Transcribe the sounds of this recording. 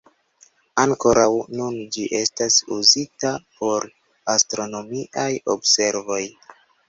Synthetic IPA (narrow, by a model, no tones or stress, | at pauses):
aŋko̞ɾawnund͡ʒiʔe̞stasuzitapo̞ɾ | astɾono̞miʔajo̞̰bse̞ɾvo̞j